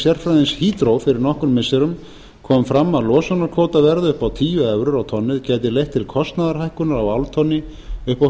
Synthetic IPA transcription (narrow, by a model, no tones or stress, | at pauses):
sjɛr̥fɾajðɪnshiːt̪ɾowfɪɾɪɾnɔhkʏnmɪsɛɾʏm | kʰɔːmfɾamːalɔːsɔnaɾkʰoːwt̪avɛɾðʏʏhpawt̪ʰiːjʏœvɾʏɾawt̪ʰɔnːɪðcɛːt̪ɪlejht̪ʰːɪlkʰɔst̪naðaɾ̥hajhkʏnaɾawawlt̪ʰɔnːɪ | ʏhpa